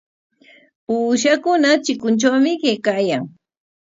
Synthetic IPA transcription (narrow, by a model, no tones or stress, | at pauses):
uːʃ̬akʊnat͡ʃɪkʊnt͡ʃawmɪɢekajaŋ